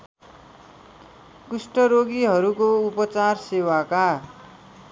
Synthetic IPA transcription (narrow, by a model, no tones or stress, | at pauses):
kusʈʌɾoɡiɦʌɾukoupʌt͡sarsewaka